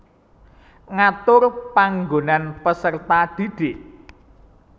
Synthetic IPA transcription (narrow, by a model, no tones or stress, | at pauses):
ŋat̪ʊrpaŋɡonanpəsərt̪ad̪̥i̤d̥ɪʔ